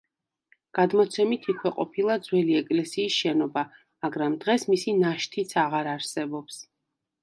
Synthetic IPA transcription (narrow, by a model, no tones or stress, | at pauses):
ɡ̥ad̪mɔt̪sʰɛmit̪ʰikʰwɛqʼɔpʰilˠad̪zwɛliɛkʼlɛsiːsʃɛnɔba | maɡɾamd̪ʁɛsmisinaʃt̪ʰit̪sʰaʁaɾaɾsɛbɔps